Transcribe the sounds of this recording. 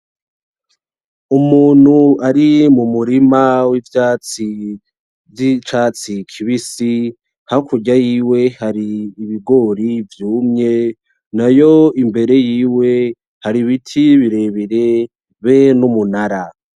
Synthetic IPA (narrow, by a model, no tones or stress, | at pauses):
umuːn̥huaɾimumuɾimawivjat͡si | it͡ʃaːt͡sikʰiβisi | hakʰuɟajiːwe̞haɾiːβiɡo̞ɾivjuːmɲe̞ | najoimbe̞ɾe̞jiːwe̞ | haɾiβitʰiβiɾe̞βiɾe̞ | βenumunaɾa